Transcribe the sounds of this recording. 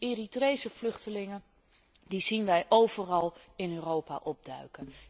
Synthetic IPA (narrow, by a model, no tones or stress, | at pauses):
eritrejsəflɵχtəlɪŋə | dizinʋɛjʔowvərɑlˠɪnøːrowpa̰ʔɔb̚dœ̰ɥkə